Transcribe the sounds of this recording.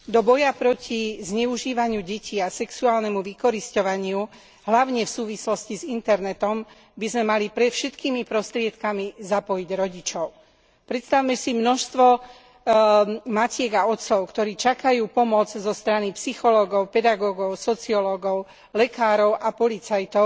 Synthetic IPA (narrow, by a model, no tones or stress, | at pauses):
d̪ɔbɔjapɾɔcʰizɲɛuʒiːʋaɲɪuɟɛcʰiːasɛksuaːlnɛmuʋikɔɾiscɔʋaɲɪu | ɦlaʊɲɛfsuːʋislɔscizint̪ɛɾnɛt̪ɔm | bizmɛmalipɾɛt̪fʃɛt̪kiːmipɾɔst̪ɾɪɛt̪kamizapɔjiɟɾɔɟit͡ʃɔʊ | pɾɛt̪st̪awmɛsimnɔʃst̪ʋɔ | macɪɛɡaɔt̪sɔʊkt̪ɔɾiːt͡ʃakajuːpɔmɔd͡zzɔst̪ɾanipsixɔlɔɡɔʊpɛd̪aɡɔɡɔʊsɔt͡siɔlɔɡɔʊ | lɛkaːɾɔʊʔapɔlit͡sajt̪ɔʊ